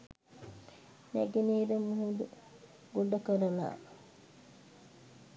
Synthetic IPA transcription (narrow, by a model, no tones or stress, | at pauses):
næ̰ɡeniːɾəmuɦud̪u | ɡuɖːɐkəɾɐla̰ː